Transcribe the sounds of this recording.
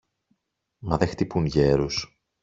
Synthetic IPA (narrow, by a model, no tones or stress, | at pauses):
mɐðext̪ipunʝe̞ɾus